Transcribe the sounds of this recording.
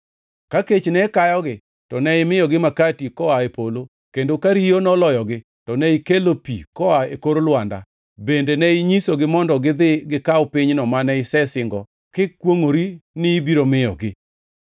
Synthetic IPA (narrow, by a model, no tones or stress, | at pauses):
kaket͡ʃnɛkajɔɡɪ | tɔnɛɪmɪjɔɡɪmakatikɔaepolo | kendokaɾijonɔlɔjɔɡɪ | tɔnɛikelopḭkɔaekoɾolwanda̰ | bendenɛiɲisoɡɪmɔndɔɡɪd̪ɪɡɪkaɔpɪɲnɔmanɛɪsɛsɪŋɡɔ | kɪkwoŋoɾinɪːbiɾomɪjɔ̰ɡɪ